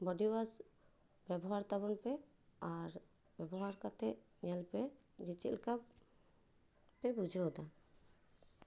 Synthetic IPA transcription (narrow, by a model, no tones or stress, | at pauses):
bɔɖiwas | bɛbɔɦaɾt̪aβɔnpɛ | aɾ | bɛbɔɦaɾkat̪ɛʔniɛlpɛ | d͡ʒit͡ʃḭlka | pɛbud͡ʒʱɔd̪a